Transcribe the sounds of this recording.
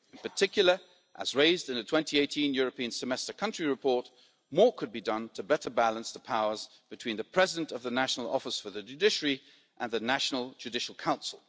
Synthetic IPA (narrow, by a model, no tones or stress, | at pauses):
ɨ̃n̩pə˞tʰɪkjl̩ˠə˞ | ʔə̰zɹeɪzdɨ̃nðɨtʰw̥ɛ̃ntʰieɪtʰĩnjʊɹɨpĩɨ̃nsɨmɛstə˞kʰʌ̃nt͡ʃɹ̥iɹɨpʰɔɹt̚ | mɔɹkʰɨd̚bidʌ̃ntʰɨbɛɾə˞bælˠə̃nsðəpʰaʊə˞z | b̥ɨtʰw̥ĩnðɨpʰɹ̥ɛzɪdɨ̃ntʌvðənæʃn̩l̩ˠɔ̰fəsfə˞ðɨd͡ʒʉdɪʃəɹi | ʔə̃nðɨnæʃn̩l̩ˠd͡ʒʉdɪʃl̩ˠkʰãʊ̃nsl̩ˠ